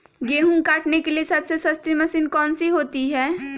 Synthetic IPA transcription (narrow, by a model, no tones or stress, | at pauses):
ɡeːɦũkaːʈnekeliesɐbsesɐst̪imɐsinkɔːnsiɦoːt̪iɦɛː